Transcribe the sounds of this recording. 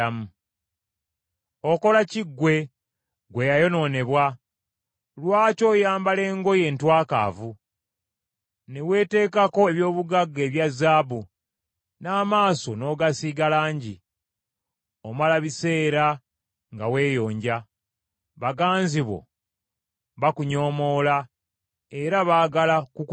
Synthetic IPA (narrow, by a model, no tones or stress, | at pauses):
amu | oko̞laciɡːwe̞ | ɡwe̞jajo̞no̞ːne̞βwa | lwaːco̞ːjaːmbale̞ːŋɡo̞je̞ːntwaːka̰ːvu | newe̞ːte̞ːkako̞eβjo̞ːβuɡaɡːe̞ːβjazːaːbu | naːmaːso̞no̞ːɡasiːɡalaːɲɟi | o̞malaβise̞ːɾa | ŋɡawe̞ːjo̞ːɲɟa | βaɡaːnziβo̞̰ | βakuɲo̞ːmo̞ːla | e̞ɾaβaːɡalakuk